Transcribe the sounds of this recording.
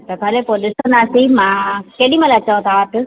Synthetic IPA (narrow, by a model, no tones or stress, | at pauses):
t̪ɐkʰɐlepoɗɪsonaːsimãkeːɗĩmɐlɐt͡ɕaʋ̃t̪ʰaʈ̪